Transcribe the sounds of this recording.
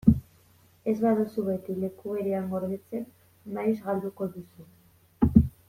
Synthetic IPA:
e̞zβaðusuβe̞t̪ile̞kuβe̞ɾeaŋɡo̞ɾβet͡se̞nː | ajzɣald̪uko̞ðusu

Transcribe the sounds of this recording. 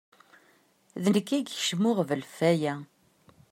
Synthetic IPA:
ðənəkːæɡə̥ʃmʊʁvəlfæjæ

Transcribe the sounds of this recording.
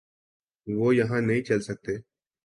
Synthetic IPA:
ʋoːjɐɦãnəɦĩt͡ʃɐlsək̚t̪eː

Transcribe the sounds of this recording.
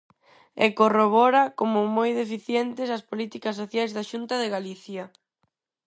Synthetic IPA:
ekoroβ̞ɔɾakomʊmojðefiθjɛnt̪ɪsɐspolit̪ikɐs̬ːoθjajzðaʃunt̪ɐðeɣaliθjɐ

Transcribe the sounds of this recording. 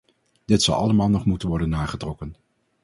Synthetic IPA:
d̥ɪtsɑ̰lˠɑ̰ləmaːlˠnɔχmutənʋɔɹdənːaːχətrɔkən

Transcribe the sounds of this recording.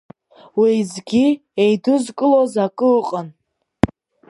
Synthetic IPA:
wizɡʲi | ejduzkʼɨlozakʼɨqʼan

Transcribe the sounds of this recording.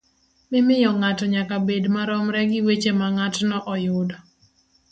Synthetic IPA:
mɪmɪjɔŋatɔɲakabedmaɾɔmɾɛɡɪwet͡ʃemaŋatnɔʔɔjʊdɔ

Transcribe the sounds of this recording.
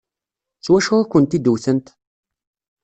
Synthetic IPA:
t͡sːwæʃʊɾækʷːənt̪id̪uθənt̪

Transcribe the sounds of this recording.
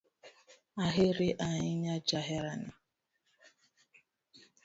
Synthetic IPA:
aɦɪɾɪʔaɲɪɲad͡ʒaɦɪɾana

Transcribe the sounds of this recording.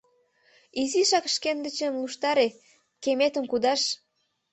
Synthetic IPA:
iziʃɑkʃkend̪ə̆t͡ɕĕmluʃt̪ɑɾe | kemet̪ə̆mkud̪ɑʃ

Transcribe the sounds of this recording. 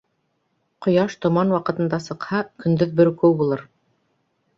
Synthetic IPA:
qŏjɑʃt̪ŏmɑnwɑqɤ̆t̪ɤ̆nd̪ɑsɤ̆qhɑkɵ̆nd̪ɵðbɵɾkɵwbulˠɤɾ

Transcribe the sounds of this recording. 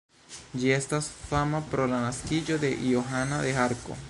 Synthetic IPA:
d͡ʒie̞stasfamapɾo̞lanaskid͡ʒo̞d̪e̞ʔioɦanaðe̞aɾko̞̰

